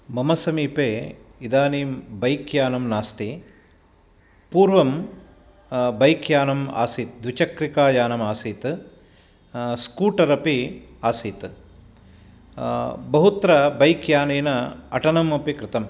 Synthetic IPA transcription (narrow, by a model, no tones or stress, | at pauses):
mɐmɐsɐmiːpeːid̪aːniːmbɐjkjaːnɐmnaːst̪i | puːɾʋɐm | bɐjkjaːnɐma̰ːsiːt̪d̪ʋit͡ʃɐkɾikaːjaːnɐmaːsiːt̪ | skuːʈɐɾɐpiaːsiːt̪ | bɐɦut̪ɾɐbɐjkjaːneːnɐɐʈɐnɐmɐpikɾɪt̪ɐm